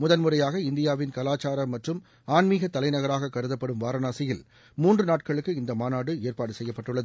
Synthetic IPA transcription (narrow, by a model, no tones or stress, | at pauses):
mʊðɐnmʊrɐjaːɣɐɪnd̪ɪjaːʋɪnkɐlaːt͡ʃːaːɾɐmɐʈrɯm | aːnmiːɣɐt̪ːɐlɐɪnɐɣɐɾaːɣɐkːɐɾɯðɐpːɐɽɯmʋaːɾɐnaːsɐjɪl | muːndrɯnaːʈ̚kɐɭɯkːɯɪnd̪ɐmaːnaːɽɯeːrpaːɽɯsɛjːɐpːɐʈːɯɭːɐðɯ